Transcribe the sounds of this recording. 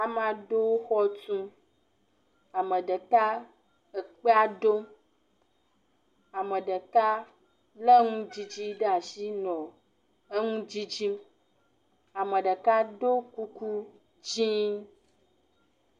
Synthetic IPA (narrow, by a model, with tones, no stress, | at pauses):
a˨m˦ã˨ɖo˦o˦xɔ˦t̪ũ˦ | a˨mə˨ɖə˨ka˦ | ə˨k͡pe˦a˦ɖo˦ | a˨mə˨ɖə˨ka˦ | lə˦ŋũ˦d͡ʑi˦d͡ʑi˦ɖe˦a˨ʃi˦nɔ̃˨ | ə˦ŋũ˦d͡ʑi˦d͡ʒi˦m | a˨mə̃˨ɖə˨ka˦ɖo˦ku˦ku˦ | d͡ʒĩ˦